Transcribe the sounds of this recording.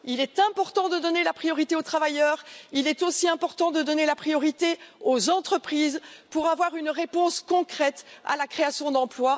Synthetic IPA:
ilɛt̪ɛ̃pɔʁt̪ɑ̃d̪əd̪ɔnelapχijɔʁit̪eot̪χavajœːʁilɛt̪osiɛ̃pɔʁt̪ɑ̃d̪əd̪ɔnelapχijɔʁit̪eozɑ̃t̪χəpχiːzpuʁavwaʁynʁepɔ̃skɔ̃kχɛt̪a̰lakχeasjɔ̃d̪ɑ̃plwa

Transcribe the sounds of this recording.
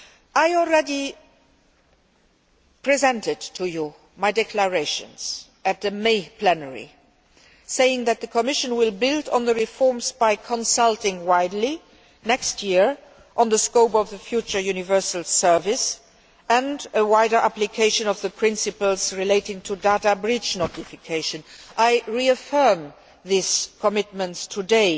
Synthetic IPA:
aɪɔl̩ˠɹɛdi | pʰɹ̥izɛ̃ntɪdtʰuju | maɪdɛkʰləɹeɪʃə̰̃nz̥ | ɨt̪̚ðɨmeɪpʰlɛnəɹḭ | seɪɪ̃ŋðɨt̪̚ðəkʰəmɪʃə̃nwɪlˠbɪldɔ̃n̩ðəɹifɔɹmzbaɪkʰə̃nsalˠtɪ̃ŋwaɪdˡli | nɛkstʰjɪɹ | ʔə̃nðəskoʊpʌvðəfjut͡ʃə˞junɪvɜ˞səl̩ˠsɜ˞vɪs | ə̃ndəwaɪɾə˞ʔæplikʰeɪʃə̃nʌvðəpʰɹ̥ɪ̃nsɨpəl̩ˠz̥ɹileɪtɪ̃ŋtʰudatabɹɪd͡ʒnɔtɪfɪkʰeɪʃə̃nʔaɪɹiəfɜ˞m | ðiskʰəmɪt̚mə̃ntstʰədeɪ

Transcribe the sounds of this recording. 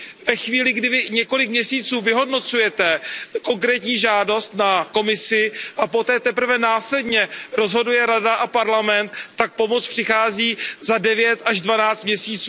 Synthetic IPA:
vɛxviːlɪɡdɪvɪɲɛko̞lɪk̚mɲɛsiːt͡suːvɪɦo̞dno̞t͡sujɛt̪ɛko̞ŋkɾɛːt̪ɲiːʒaːdo̞st̪nako̞mɪsɪʔapo̞t̪ɛːt̪ɛpr̩vɛnaːslɛdɲɛɾo̞zɦo̞dujɛɾadaʔapaɾlamɛnt̪ːak̚po̞mo̞t͡spr̥ɪxaːziːzadɛvjɛt̪aʒdvanaːt͡st̪mɲɛsiːt͡suː

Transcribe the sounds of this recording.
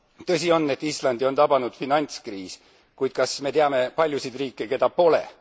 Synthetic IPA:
t̪ɤsʲio̞nːe̞t̪ːˑislɑnd̪io̞nt̪ɑb̥ɑnud̪̥finɑnʲt̪skriːs | kujd̪̥̚kɑsme̞t̪eɑme̞pɑlʲjusid̪riːkːˑeke̞d̪ɑpo̞lḛ

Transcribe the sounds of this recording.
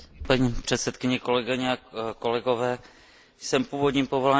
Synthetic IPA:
paɲipr̝̥ɛt̪sɛt̪kɪɲɛko̞lɛɡɪɲɛako̞lɛɡo̞vɛː | sɛmpuːvo̞d̪ɲiːmpo̞vo̞la

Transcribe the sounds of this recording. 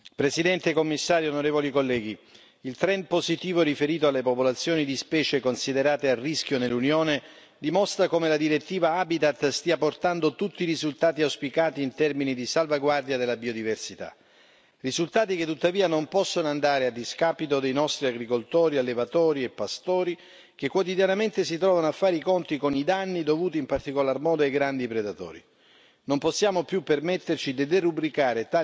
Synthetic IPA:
pɾesid̪ɛnt̪ekomːisːaːɾjoonoɾeːvolikolːɛːɡi | ilt̪ɾɛnpozit̪iːvoɾifeɾiːt̪oalːepopolat̪sːjoːnid̪ispɛːt͡ʃekonsid̪eɾaːt̪earːisk̟jonelːunjoːne | d̪imɔst̪ɾakomelad̪iɾet̪ːiːvaabit̪at̪ːst̪iːaport̪and̪ot̪ut̪ːiːɾizult̪aːt̪iawspikaːt̪iːnt̪ɛrminid̪isalvaɡward̪jad̪elːabiod̪iversit̪a̰ | rizult̪aːt̪iket̪ːut̪ːaviːanompɔsːonoand̪aːɾead̪ːiskapit̪od̪ejnɔst̪ɾiaɡɾikolt̪ɔːɾialːevat̪ɔːɾiepːast̪ɔːɾi | kekːwot̪id̪janament̪es̬it̪ɾɔːvanoafːaːɾikont̪ikonid̪anːid̪ovuːt̪iːmpart̪ikolarmɔːd̪oajɡɾand̪ipɾed̪at̪ɔ̰ːɾḭ | nomposːjaːmopjupːermet̪ːert͡ʃid̪id̪erubɾikaːɾet̪a

